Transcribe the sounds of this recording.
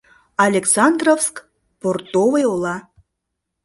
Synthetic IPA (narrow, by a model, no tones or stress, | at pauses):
ɑlʲeksɑnd̪rofsk | port̪ovejolˠɑ